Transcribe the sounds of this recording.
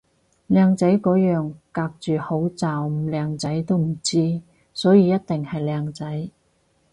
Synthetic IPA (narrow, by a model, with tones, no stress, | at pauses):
lɛː˨˧ŋt͡sɐ˨˥jkɔː˨˥jœː˨ŋkaː˧k̚t͡ʃyː˨ho˨˥wt͡saː˨wm̩˨˩lɛː˨˧ŋt͡sɐ˨˥jt̪o˥wm̩˨˩t͡siː˥ | sɔː˨˥jiː˨˧jɐ˥t̚t̪ɪ˨ŋhɐ˨jlɛː˨˧ŋt͡sɐ˨˥j